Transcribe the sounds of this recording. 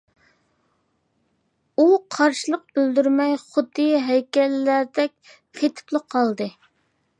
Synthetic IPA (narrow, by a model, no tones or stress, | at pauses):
uqʰɑɾʃilˠəq̚bɪld̪yɾmɛjχʊd̪ːɨɦɛjkʲɛlːæɾd̪ɛk̚ʲ | qʰet̪ʰɪ̥plˠəqʰːɑlˠd̪ɨ